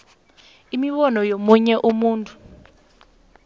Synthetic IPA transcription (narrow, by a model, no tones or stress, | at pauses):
imiɓɔnɔjomuɲɛʔumuːntʰʼu̥